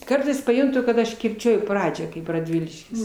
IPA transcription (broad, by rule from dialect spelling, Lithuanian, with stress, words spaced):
ˈkɐrtɐɪs pɐˈjʊntʊ kɐt ˈɐʃ kʲɪrʲˈt͡ʃʲuɔjʊ ˈprɑːd͡ʒʲæː kɐɪp rɐˈdʲʋʲɪlʲɪʃʲkʲɪs